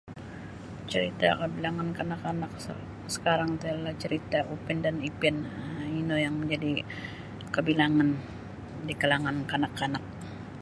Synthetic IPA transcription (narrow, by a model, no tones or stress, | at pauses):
t͡ʃəɾit̪a̰kəbilaŋankanakanak̚ | sə̥kaɾaŋt̪alaht͡ʃəɾit̪aʔupɛndanipɛninojaŋməɲd͡ʒadi | kəbilaŋan | dikalaŋankanakanak̚